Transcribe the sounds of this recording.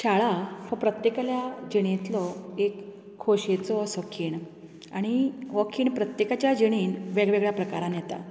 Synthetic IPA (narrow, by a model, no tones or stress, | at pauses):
ɕaɭafəpɾət̪jekaljad͡ʑiɽ̃ẽt̪lɔekʰː | oɕet͡sɔsəkʰiːɳ | aɽ̃iʋɔkʰiːɳpɾət̪jekat͡ɕjad͡ʑiɽ̃iːnʋeɡɭeɡɭjapɾəkaɾãnjɛt̪a̰